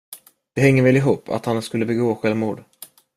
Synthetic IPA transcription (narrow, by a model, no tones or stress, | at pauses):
d̪̥ɛɦɛŋːəɾvɛːlɪɦuːpːʰa̰t̪hanskɵlːəbɛɡoːɧɛlvmuːɖ̪